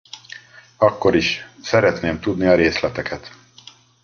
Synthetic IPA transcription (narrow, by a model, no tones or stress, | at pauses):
ɒkːo̞ɾiʃsɛɾɛt̪neːmt̪ud̪niɒɾeːslɛt̪ɛkʰɛt̪